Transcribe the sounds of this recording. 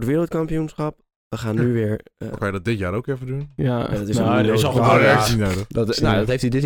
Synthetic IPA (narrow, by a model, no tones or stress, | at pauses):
ɹdəʋɪːɾəlˠt̚kɑmpijunsχɑp̚ | ʋəχaːnːyʋɪɹkknjədɔt̚dɪtjaːɾowkɪɹvədunadɔtɪɪsɔojɛksinawdədɔtodɔthejftidɪt